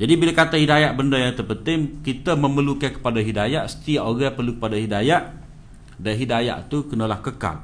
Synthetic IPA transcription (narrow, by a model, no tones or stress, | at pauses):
d͡ʒadibilakat̪ahidajaʔbəndəjaŋt̪ərpənt̪ɪŋkit̪əməməlukankə̥padaɦidajaʔsə̥t̪iaʔoɡapərlukəpadaɦidajaʔ | daɦidaja̰ʔt̪ukənəlahkəka̰l